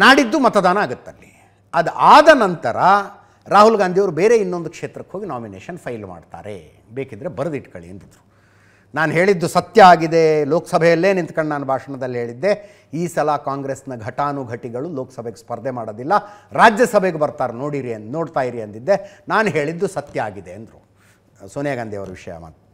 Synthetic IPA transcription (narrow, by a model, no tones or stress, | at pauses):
naːɽid̪ːumɐt̪ɐd̪aːnɐaːɡut̪ːɐlːi | ɐd̪ʔaːd̪ɐnɐnt̪ɐɾɐ | ɾaːɦulɡaːnd̪ʱioʋɐɾubeːɾe̞inːo̞nd̪ukʂeːt̪ɾɐkɦo̞ːɡinaːminḛːʂɐnpʰɐjlma̰ːɖt̪a̰ːɾḛ | beːkid̪ɾebɐɾɐd̪iʈkɐɭḭɐ̰nt̪id̪ɾu | naːnɦe̞ːɭid̪ːusɐt̪jɐaːɡid̪e̞lo̞ːkɐ̥sɐbʱɛjɐlːeːnint̪ɐkɐɳɖenaːnubʱaːʂɐɳɐd̪ɐlːiɦeːɭid̪ːe̞ | iːsɐlɐkaːŋɡɾesnɐɡʱɐʈaːnuɡʱɐʈiɡɐɭuloːkɐ̥sɐbʱeɡespɐɾd̪ʱemaːɽod̪ilːɐɾaːd͡ʒjɐsɐbʱeɡebɐɾt̪aːɾno̞ːɽiɾino̞ːɖt̪aːjiɾiɐnd̪id̪ːe̞naːnɦeːɭid̪ːusɐt̪jɐaːɡid̪e̞ɐnd̪ɾu | soːnjaɡaːnd̪ijɐʋɐɾuʋiʂɐjɐ̰ma̰ːt̪